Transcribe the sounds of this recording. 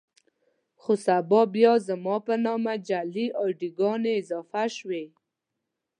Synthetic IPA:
xosabɑbjɑzamɑpənɑmad͡ʒaliʔaɖiɡɑneɪzɑfaʃwe

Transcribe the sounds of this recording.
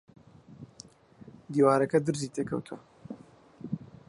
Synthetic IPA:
d̪iːwaːɾɐkɐd̪ɨɾziːt̪ʰeːkʰɐ̰wt̪ʰuɐ̰

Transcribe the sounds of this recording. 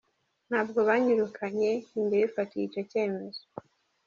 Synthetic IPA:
n̥haːbɡo̞βaɲuɾukʰaɲe̞imdeifatijico̞ce̞ːme̞z̥o

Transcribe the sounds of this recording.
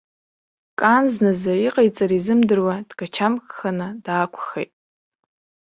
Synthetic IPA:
kʼanznɨzaiqʼajt͡sʼaɾizɨmdɨrwadɡ̥at͡ʃʰamkχanadaːkʷʰχejtʼ

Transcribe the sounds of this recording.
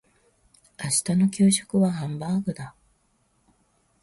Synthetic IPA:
aɕi̥t̪ano̞kʲɨːɕo̥kɯ̟βaɦãmbaːɡɯ̟d̪a

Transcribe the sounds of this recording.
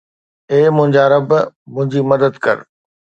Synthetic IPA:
eːmʊ̃ɦɪ̃ɲd͡ʑaɾɐbmʊ̃ɦɪ̃ɲd͡ʑimɐd̪əd̪kɐ̰ɾ

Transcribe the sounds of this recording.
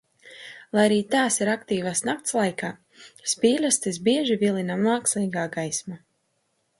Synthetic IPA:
lˠajaɾiːt̪aːsiɾakt̪iːvasnak̚t̪slˠajkaː | spiːlʲast̪is̬biɛʒivʲilˠinamaːksʲlˠijɡaːɡajsma

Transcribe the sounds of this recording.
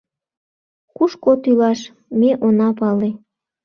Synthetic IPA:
kuʃkot̪ylɑʃ | meʔonɑpɑle

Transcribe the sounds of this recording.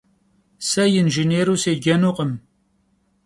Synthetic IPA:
sɐjɪnʒineːɾuːseːɡɐnuːqəm

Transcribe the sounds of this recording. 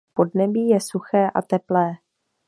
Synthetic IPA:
po̞dnɛbiːjɛsuxɛːʔa̰t̪ɛplɛː

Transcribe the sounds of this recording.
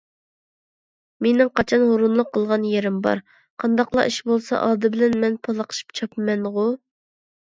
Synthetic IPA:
menɪŋqʰɑt͡ʃʰɑnɦoɾunlˠʊqʰːəlˠʁɑnjeɾɪmbɑ̰ɾ | qʰɑnd̪ɑqlˠɑ̰ʔiʃbolˠsɑ̰ʔɑːd̪ɨbɪlɛnmɛnpʰɑlˠɑqʰə̥ʃi̥pt͡ʃʰɑpmɛnʁʊ

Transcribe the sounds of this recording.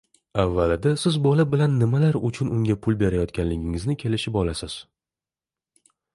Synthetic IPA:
avːalɪd̪asɪzbɒlabɪlanːɪmalaɾʊt͡ʃʰʊnʊŋɡʲapʰʊlˠbe̞ɾajɒt̪kʲʰanlɪɡʲɪŋɪznɪkʲʰe̞lɪʃɪpɒlasɪz̥

